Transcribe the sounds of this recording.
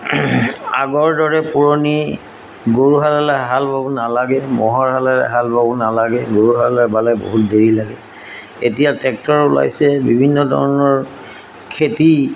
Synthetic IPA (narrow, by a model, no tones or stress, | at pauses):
a̰ɡɔɹdɔɹɛpuɹoni | ɡoɹuɦalalaɦalbabunalaɡɛmɔɦɔɹɦalalɛ̰ɦalbabunalaɡɛɡoɹuɦalalabalɛbo̰ɦutdeɹilaɡɛ | etijatɛk̚tɔɹula̰jsɛbibʱinːɔdʱɔ̰ɹnɔɹ | kʰeti